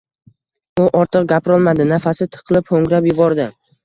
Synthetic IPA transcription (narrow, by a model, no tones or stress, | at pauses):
ʊʔɒɾt̪ʰɨq̚ɡʲapɾɒlˠmad̪ɪnafasɪt̪ʰɨ̥qʰlˠɪphoŋɾapjʊbɒɾd̪ɪ